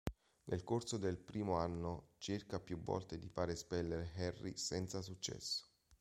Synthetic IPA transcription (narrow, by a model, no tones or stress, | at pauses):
nʔelkorsod̪elpɾiːmoanːot͡ʃerkapjuvːɔ̰lt̪ed̪ifaːɾespɛlːeɾeɦɛrːḭsɛnt̪sasut͡ʃːɛ̰sːo̥